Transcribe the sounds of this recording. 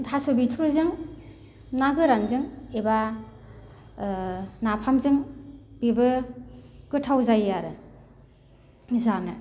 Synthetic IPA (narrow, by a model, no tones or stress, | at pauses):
dʰasubitʰuɾuzɯŋ | naɡɯɾanzɯŋeba | napʰamzɯŋb̥ibɯ | ɡɯtʰawzajaɾɯ | zanɯ